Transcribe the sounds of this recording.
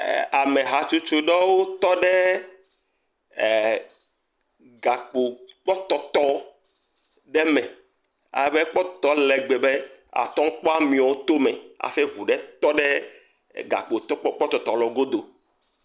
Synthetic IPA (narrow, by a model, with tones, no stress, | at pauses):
a˨mẽ˨ɦa˨t͡ʃu˦t͡ʃo˦ɖɛ˦wo˦t̪ɔ˦ɖe˦˨ | ɡa˨k͡po˨k͡pɔ˦t̪ɔ˨t̪ɔ˦ | ɖɛ˦mɛ̃˨ | a̰˨˦be˦k͡pɔ˦t̪ɔ˦lɛ˨ɡ͡be˨be˦a̰˨t̪ɔ̃˦ŋ˦k͡pɔ˦a˦mĩ˨ɔ˨wo˦t̪o˦mɛ˨a̰˨fe˦ɦu˨ɖɛ˦t̪ɔ˦ɖe˦ | ɡa̰˨k͡po˨t̪ɔ˦k͡pɔ˦k͡pɔ˦t̪ɔ˨t̪ɔ˨lɔ˨ɡo˦d̪o˨